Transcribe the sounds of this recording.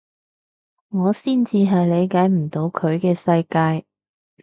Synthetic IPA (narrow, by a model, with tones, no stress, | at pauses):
ŋɔː˨˧siː˥˩nt͡siː˧ɦɐ˨jle˨˧jkaː˨˥jm̩˨˩t̪o˨˧wkʰɵ˨˧ɥkɛː˧sɐ˧jkaː˧j